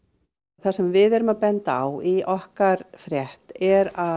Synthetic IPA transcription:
θasɛmvɪðɛɾʏmapɛnt̪aa̰wiʔɔhkaɾfɾjɛht̪ɛɾa

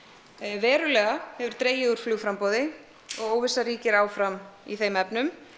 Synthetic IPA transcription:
vɛːɾʏlɛːɣahɛvʏɾ̥t̪ɾeːjɪuɾ̥fluːɣfɾampoːwðɪ | ɔɣoːwvɪsaɾiːcɪɾaːwfɾamiθejmɛpnʏm

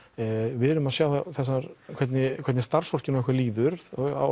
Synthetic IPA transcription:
vɪðɛɾʏmaðsjaːwθaθɛsːaɾkʰvɛt̪nɪkʰvɛt̪nɪst̪aɾ̥sɔr̥cɪnɔɛhkvɛɾliːðʏɾɔa̰

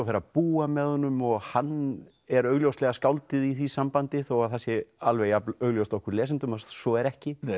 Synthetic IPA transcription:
fɛɾapuːamɛðhɔnːʏmɔɣhanː | ɛɾœːɥɣljowslɛɣaskawlt̪ɪðiθisampant̪ɪθɔwɣaðθasɪalvejaœːɣljowst̪ɔhkʏɾlɛːsɪnt̪ʏmasɔɛɾɛhcɪ

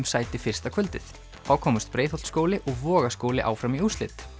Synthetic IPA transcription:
msaːjt̪ɪfɪr̥st̪akʰvʏlt̪ɪθ | θawkʰɔːmʏst̪̚pɾeːjθɔlskowlɪʔɔɣvɔːɣaskoːwlɪʔa̰ːwfɾamiust̪lɪt̪

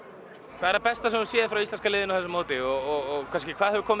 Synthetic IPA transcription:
kʰvaɛɾapɛst̪asɛmsjɛːðfɾawist̪lɛnskalɪːðɪnawθɛsamoːt̪ɪɔɣɔɣɔɣkʰanscɪkʰvaːðhɛðvʏkʰɔːm

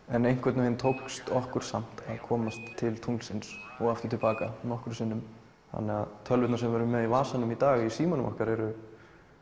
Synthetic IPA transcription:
ɛnejŋ̥kʰvɛt̪nʏhɪnt̪ʰowkst̪ɔhkʏɾ̥sam̥t̪aðkʰɔːmast̪ʰːɪlt̪ʰunlsɪnsɔɣaft̪ʏ̥ɾt̪ʰɪlpaːkanɔhkʏɾsɪnːʏm | θa̰nːɛɣaðt̪ʰœlvɪt̪nasɛmvɛɾʏmɛðivaːsanʏmit̪aːɣisiːmɔnʏmʔɔ̰hkaɾɛɾʏ

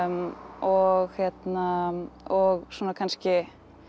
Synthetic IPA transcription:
mɔɣhjɛt̪naɔɣswɔːnakʰanscɪ

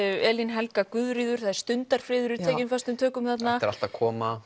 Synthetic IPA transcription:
ɛːlinɦɛlkakʏðɾiːðʏɾ̥θaðɾ̥st̪ʏnt̪aɾ̥fɾɪːðʏɾʏtʰɛːjcɪnfast̪ʏmt̪ʰœːkʏmθat̪nnaɾa̰l̥t̪akʰɔːma

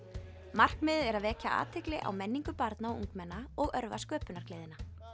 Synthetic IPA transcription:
mar̥kmɪːðʏɛɾaðvɛːcaʔa̰ːt̪ʰɪklɪʔa̰wmɛnːiŋkʏpaɾt̪naɔṵŋkmɛnːaɔɣœɾvaskœːpʏnaɾ̥kleːðɪna

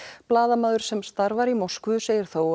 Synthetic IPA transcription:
plaːðamaːðʏɾ̥sɛmst̪aɾvaɾimɔskvʏseːjɪɾ̥θow

